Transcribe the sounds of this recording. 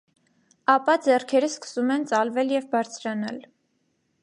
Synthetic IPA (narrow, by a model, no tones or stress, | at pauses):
ɑpɑd͡zɛrkʰɛɾəskə̥sumɛnt͡sɑlvɛljɛvbɑɾt͡sʰɾɑnɑ̰l